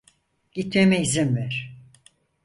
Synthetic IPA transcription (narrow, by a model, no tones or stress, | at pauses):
ɟ̥it̪memɛizimvæɾ̥